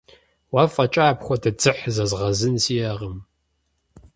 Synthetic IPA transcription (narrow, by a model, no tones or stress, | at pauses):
waːfʼɐt͡ʃʼaːpxʷɔdɐd͡zɨħzɐzʁɐzɨnsijɐʁəm